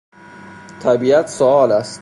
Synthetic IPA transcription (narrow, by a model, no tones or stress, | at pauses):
t̪ʰæbiːæt̪ʰsoɒːlæst̪